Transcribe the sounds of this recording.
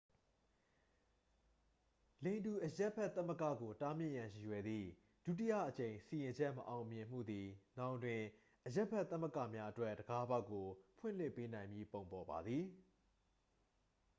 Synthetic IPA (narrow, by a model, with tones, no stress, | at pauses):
lẽ˨ɪ̃ndu˨ʔəja˦ʔpʰɛ˦˨t̪ːə˦mə˦˨kä̰˦˨ɡo˨ta˦mjɪ̰˦˨ʔjã˨ji˨jwɛ˨d̪ðḭ˦˨ | d̥ṵ˦˨t̬i˦jä̰˦˨ʔət͡ɕẽ˨ɪ̃si˨jɪ̃˨ɲd͡ʑɛ˦ʔməʔã˨ʊ̃mjɪ̃˨m̥ṵ˦˨d̪i˨nã˦˨ʔtwɪ̃˨ | ʔəjɛ˦pʰɛ˦˨t̪θə˦mə˦˨kä̰˦˨mja˦ʔətwɛ˦˨ʔdəɡa˦ba˦˨kːo˨pʰwɪ̰̃˦˨l̥ɪ˦˨pːe˦nã˨ɪ̃mji˦põ˨ʊ̃mpɔ˨ba̰˨d̪ði˨